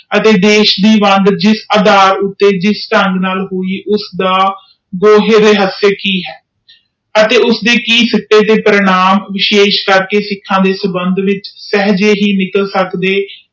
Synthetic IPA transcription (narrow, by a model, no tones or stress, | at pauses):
ət̪eːd̪eːʃd̪iːʋəɳɖd͡ʒɪsəːd̪aːɾʊt̪ːeːd͡ʒɪsʈəŋɡnaːlɦoːiːʔʊsd̪aː | ɡoːɦɪɾeɦəseːkiːɦɛː | ət̪eːʊsd̪eːkiːsɪʈːeːt̪eːpəɾɪɽ̃aːmʋɪʃeːʃkəɾkeːsɪkʰːãːd̪eːsəbənd̪ʋɪt͡ʃsɛɦd͡ʒeːɦiːnɪkəlsəkd̪eː